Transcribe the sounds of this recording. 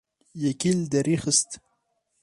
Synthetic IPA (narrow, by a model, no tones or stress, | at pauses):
jakild̪aɾixəst̪